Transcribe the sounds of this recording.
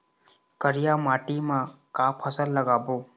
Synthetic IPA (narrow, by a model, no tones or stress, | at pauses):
kəɾijaːmaːʈimãkaːpʰəsəlːəɡaːboː